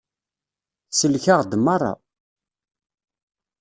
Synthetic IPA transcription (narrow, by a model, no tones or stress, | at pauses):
səlçaʁd̪mɑrˤːɑ̰